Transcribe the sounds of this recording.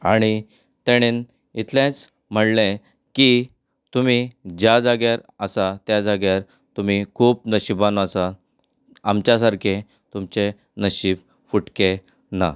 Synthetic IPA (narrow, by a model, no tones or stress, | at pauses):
aɽ̃i | t̪eɽ̃en | it̪ʰljãt͡s | m̤əɽlẽ | ki | t̪um̤id͡ʑjad͡zaɡjaɾəsat̪jad͡zaɡjaɾ | t̪um̤ikʰuːpnəɕibanasa | amt͡ɕjasaɾkʰe | t̪umt͡ɕe | nəɕib | fuʈke | na̰